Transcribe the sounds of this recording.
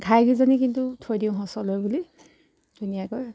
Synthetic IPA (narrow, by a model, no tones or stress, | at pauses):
ɡʱajɡizanikintutʰojdiʊ̃ɦɔsɔlojbuli | d̥unijakɔj